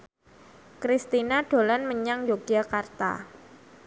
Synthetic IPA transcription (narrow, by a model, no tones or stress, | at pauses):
kɾist̪inaɖ̥o̤lanməɲaŋd͡ʒoɡ̥iakart̪a̰